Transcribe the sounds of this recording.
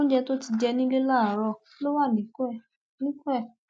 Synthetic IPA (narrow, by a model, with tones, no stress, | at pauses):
ɔ̃˦d͡ʒɛ˧to˦ti˧d͡ʒɛ˧nĩ˦le˦la˦˨˦ɾɔ˧˦lo˦wa˦˨nĩ˨˦kɛ˦˨ | nĩ˦kɛ˦˨